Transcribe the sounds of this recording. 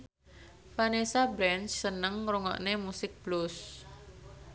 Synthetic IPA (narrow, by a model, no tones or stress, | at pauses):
fanesabɾɛnt͡ʃsːənəŋruŋɔ̰ʔnemusɪk̚b̥lus